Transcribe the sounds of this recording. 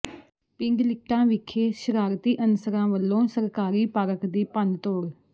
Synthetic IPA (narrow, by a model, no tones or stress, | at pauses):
pɪŋɡlɪk̚ʈãːʋɪkʰːeːʃəɾaːɾt̪iːʔənsəɾãːʋəlːõːsəɾkaːɾiːpaːɾəkd̪iːpə̃nd̪t̪oːɽ